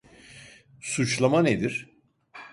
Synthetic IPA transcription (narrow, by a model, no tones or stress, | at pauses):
sut͡ʃlˠamaned̪iɾ̥